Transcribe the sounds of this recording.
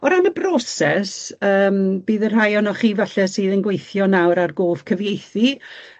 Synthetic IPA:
ɔɾaməbrɔsɛsəːmb̥iːðər̥ɦajɔnɔχiːvaɬɛsɨːðənɡwejθjɔnawɾarɡoːv̥kʰəvjejθi

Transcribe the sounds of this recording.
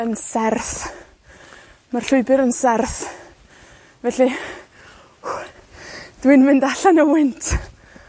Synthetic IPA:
ənsɛrθ | marɬʊɨbɪɾənsɛrθ | vɛɬi | d̥winmɪndaɬanəwɪntʰ

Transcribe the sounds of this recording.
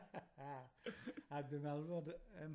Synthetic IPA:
a | abɪmɛlˠvɔdəm

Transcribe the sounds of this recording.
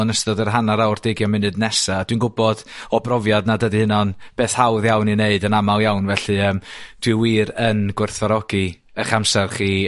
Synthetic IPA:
nəstɔdərɦanaɾawrd̥ɪɡjɔmɪnɨdnɛsad̥winɡʊbɔd̥ɔbrɔvjadnadədɨhɪnɔnb̥eːθhawðjawnineɨdənamalˠjawnvɛɬɨəːmd̥wɪwiːɾənɡwʊrθvaɾɔɡi | əχamsɛrχiː

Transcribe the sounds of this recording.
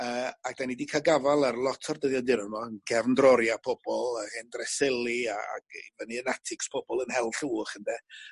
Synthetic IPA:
əːak̚d̥anidikʰaɡavalˠarlˠɔtʰɔrdəðjɔdɪɾɔmɔənɡɛvndrɔɾjapʰɔb̥ɔlˠahɪndrɛsɪlˠiaa̰ɡ̥vəniənatʰɪkspʰɔb̥ɔlˠənhɛlˠɬuːχəndɛ

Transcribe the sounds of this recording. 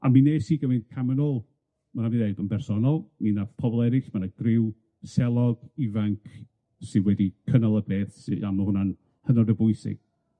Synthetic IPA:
a̰mineːsiːɡəvɪnkʰamənoːlˠ | manaviðejbənbɛrsɔnɔlˠminapʰɔbɔlˠɛɾɪsmanaɡ̥rɪw | sɛlˠɔɡ̥ivaŋkʰ | sɨdwɛdikʰənalˠəbeːθsamahʊnan | hənɔdəbʊɨsɪ̰ɡ̥

